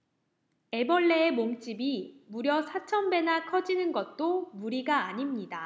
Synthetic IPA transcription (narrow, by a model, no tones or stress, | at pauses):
e̞bʌɭːeːmoŋt͡ɕ͈ibimuɾjʌsʰat͡ɕʰʌmbe̞nakʰʌd͡ʑinɯnɡʌt̚t͈omuɾiɡaːɲimɲida